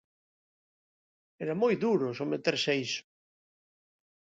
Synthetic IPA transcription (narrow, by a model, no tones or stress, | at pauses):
eɾamojðuɾʊsomet̪eɾseisʊ̥